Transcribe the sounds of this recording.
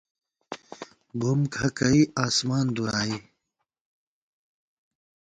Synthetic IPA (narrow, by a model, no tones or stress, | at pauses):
bumkʰɐkɐiaːsmaːnd̪uɾaːi